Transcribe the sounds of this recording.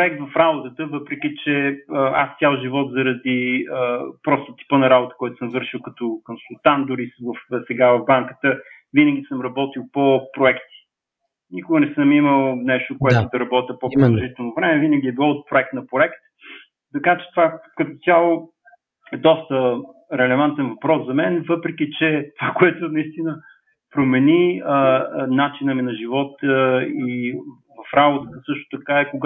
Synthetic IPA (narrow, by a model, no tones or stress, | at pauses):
pɾʊɛk̚t̪vɐfɾabot̪ət̪əvɤpɾɛk̟ʲit͡ʃɛəa̰st̪ʲjalˠʒivɔt̪zəɾɐd̪iəpɾɔst̪ət̪i̥pənɐɾabot̪ə̥kɔɛt̪ʊ̥səmvɤɾʃilˠkɐt̪ɔkonsulˠt̪and̪ʊɾisvəfsɛɡavɐvbaŋkət̪ə | vinəɡʲisəmɾɐbɔt̪ilˠpopɾoɛkt̪i̥ | nikʊɡənɛsəmiməlˠnɛʃt̪okoɛt̪ʊd̪ɐɾɐbɔt̪ʲəpopɾelˠoʒit̪ɛlˠnovɾɛmɛvinəɡ̟ʲiɛbilˠɔot̪̚pɾoɛk̚t̪nɐpɾoɛkt̪ | t̪ɐkat͡ʃɛ̥t̪ovakɐt̪ot̪ʲjalˠo | ɛd̪ɔst̪ə | ɾɛlɛvant̪ɛnvɐpɾɔszɐmɛnvɤpɾɛkʲit͡ʃɛt̪ovakoɛt̪ʊnɐist̪inə | pɾomɛni | nat͡ʃinəminɐʒivɔt̪i | vɐfɾabot̪ət̪əsɤʃt̪ʊ̥t̪ɐkaɛkoɡ